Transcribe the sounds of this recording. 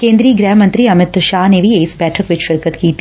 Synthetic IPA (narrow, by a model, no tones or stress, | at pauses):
kẽːnd̪ɾiːɡɾɛːɦmə̃nt̪ɾiɐmɪt̪ʃaːɦnebʱieɪsbɛːʈʰəkʋɪt͡ʃʃɪɾkət̪kiːt̪i